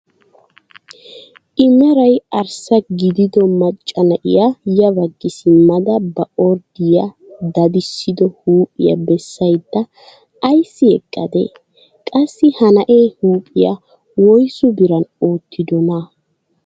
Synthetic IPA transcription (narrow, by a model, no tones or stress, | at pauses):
ʔɪmɛɾɐjɐɾsɐɡɪd̪ɪd̪ɔmɐt͡ʃʼːɐnɐʔɪ̰jajɐbɐɡːɪsɪmɐd̪ɐbɐʔɔɾd̪ɪja | d̪ɐd̪ɪsːɪd̪ɔhuːpʼɪ̰jɐ̰bɛsːɐjd̪ːɐː | jsːɪɛkʼːɐd̪ḛ | kʼɐsːɪhɐnɐʔeːhuːpʼɪja̰ | wɔjsʊbɪɾɐnoːt̪ʰːɪd̪ɔnɐ